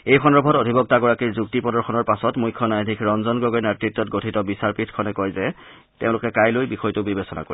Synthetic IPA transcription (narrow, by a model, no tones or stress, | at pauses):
ejxʰɔnɔɹbʱɔtodʱibɔk̚taɡɔɹakiɹzuk̚tipɔdɔɹxʰɔnɔɹpasɔtmujkʰːɔnajdʱikʰɹɔnzɔnɡɹɔɡɔjnatɹitːɔt̚ɡotʰitɔbisaɹpitʰkʰɔnɛkɔjzɛ | teʊ̃lʊkɛkajlojbixɔjtʊbibesɔna̰ko̰ɹi